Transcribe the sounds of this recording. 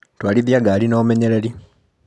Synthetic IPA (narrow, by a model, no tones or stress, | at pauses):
twaːliðjaɡaːlinoːmeɲeɾeɾi